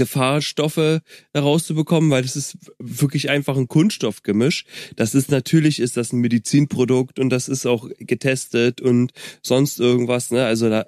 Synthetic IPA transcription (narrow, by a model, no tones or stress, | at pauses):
ɡ̥əfaːɐʃtɔfəhɛʁaʊst͡subəkʰɔmənvaɪldasɪstvɪɐklɪçʔaɪnfaχn̩kʰʊnsʃtɔfɡ̥əmɪʃd̥asɪstnatʰyːɐlɪçɪstd̥asn̩medit͡siːnpʁ̥odʊktʊntd̥asɪstaʊxɡ̥ətʰɛstətʊntz̥ɔnstʔɪɐɡŋ̩tv̥asnəʔalzodaː